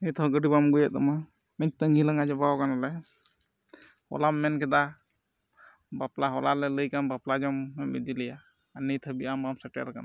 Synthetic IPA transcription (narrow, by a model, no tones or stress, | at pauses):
nit̪ʰɔɡəɖibamɡujat̪ɔma | mɛɲt̪əŋɡilaŋɡad͡ʒɔbaɔkanalɛ | hɔ̰lamːɛnkɛd̪a | baplaɦɔlalɛləjkanbaplad͡ʒɔmːɛmḭd̪ilɛja | anijt̪ʰɔbiamamsɛʈɛ̰ɾka̰n